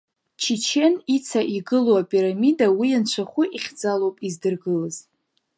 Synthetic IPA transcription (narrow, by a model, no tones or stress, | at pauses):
t͡ʃʰit͡ʃʰe̞nit͡sʰaʔiɡɨloapʼiɾamidawijant͡ʃʷʰaχʷʊʔiχʲd͡zalowpʼizdɨrɡɨlɨz̥